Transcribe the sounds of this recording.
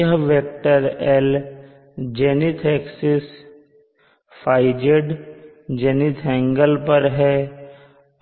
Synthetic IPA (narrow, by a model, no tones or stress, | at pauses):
əɦʋek̚ʈəɾɛl | d͡ʒɛːnit̪ʰeːksɪs | pʰaːɪd͡ʒeɖ | d͡ʒenit̪ʰɛ̃ŋɡəlpəɾɦɛː